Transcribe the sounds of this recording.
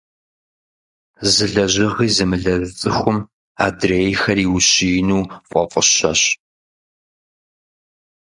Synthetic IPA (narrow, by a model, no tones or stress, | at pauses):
zɨɮɐʑɨʁiːzɨmɨɮɐzɨt͡sʼɨxʷʊm | a̰ːdreːjxɐriːwɕiːnuːfʼɔfʼəɕɐ̰ɕ